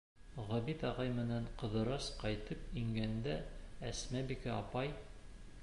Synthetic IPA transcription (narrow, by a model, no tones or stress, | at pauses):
ʁɒbit̪ɑʁɑjmɘ̆næɴqɤ̆ðɤ̆ɾɑsqɑjt̪ɤpiŋɡænd̪ææsmæbikɘɑpɑj